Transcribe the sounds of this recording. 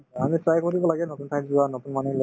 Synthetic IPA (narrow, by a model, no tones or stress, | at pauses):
amitɹajkoɾibɔlaɡɛnotuntʰajzuanotunmanelɔ